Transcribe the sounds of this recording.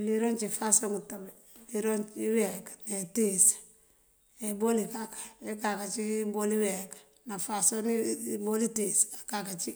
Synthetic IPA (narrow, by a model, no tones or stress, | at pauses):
liɾont͡ʃifasoŋutabe | liɾont͡ʃiwekḁnetis | ebolikakḁekakat͡ʃiboliwekḁ | nafasonibolitisakakat͡ʃi